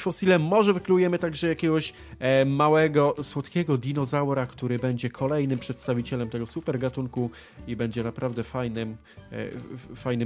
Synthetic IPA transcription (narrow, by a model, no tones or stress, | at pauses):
fɔsʲilɛmɔʐɛvɘklujɛmɘt̪aɡʐɛjakʲɛɡɔɕ | mawɛɡɔswɔt̪kʲɛɡɔd̪ʲinɔzawɾakt̪uɾɘbɛɲd͡ʑɛkʰɔlɛjnɘmpʂɛt̪st̪avʲit͡ɕɛlɛmt̪ɛɡɔsupɛɾɡat̪uŋku | ibɛɲd͡ʑɛnapɾavd̪ɛfajnɘm̰ | fajnɘm